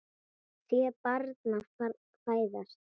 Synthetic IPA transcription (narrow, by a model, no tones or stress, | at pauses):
θvjɛpaɾt̪nafka | faːjðast̪